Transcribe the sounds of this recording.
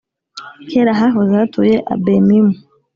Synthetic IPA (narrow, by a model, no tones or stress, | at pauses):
kʰeɾaɦaɦozaatʰujeʔa̰bemimu